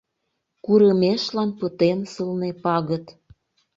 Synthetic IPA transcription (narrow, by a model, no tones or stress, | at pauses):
kuɾəmeʃlɑnpət̪ensəlnepɑɣət̪